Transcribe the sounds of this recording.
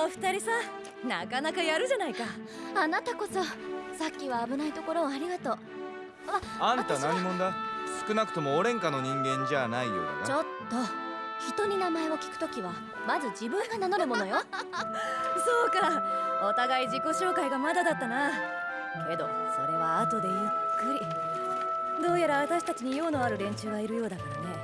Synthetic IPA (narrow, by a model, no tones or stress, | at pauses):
oɸɯ̟̥t̪aɾʲisa | na̰kanakajaɾɯ̟ʑanaika | anat̪ako̞so̞sakʲːiβaːbɯ̟nait̪o̞ko̞ɾo̞ːaɾʲiɡat̪o̞ː | aãnt̪anaɲɲimõ̞nd̪asɨ̥kɯ̟nakɯ̟̥o̞mo̞ːɾẽ̞ŋkano̞ɲ̟ĩŋɡẽ̞ɲ̟d͡ʑanaijo̰a̰na̰t͡ɕo̞t̪ːo̞ | çi̥t̪o̞ɲ̟inamae̞o̞kʲi̥kɯ̟̥t̪o̞kʲiβa | mazɨd͡ʑibɯ̟̃ŋɡanano̞ɾɯ̟mo̞no̞jo̞ | so̞ːkao̞t̪aɡaid͡ʑiko̞ɕo̞ːkaiɡamad̪ad̪at̪ːana | ke̞d̪o̞̰so̞ɾe̞β̞aːt̪o̞d̪e̞jɯ̟kːɯ̟ɾʲi | d̪o̞ːjaɾaβat̪aɕi̥t̪at͡ɕiɲ̟ijo̞ːno̞aɾɯ̟ɾẽ̞ɲ̟t͡ɕɨːɡaiɾɯ̟jo̞ːd̪akaɾane̞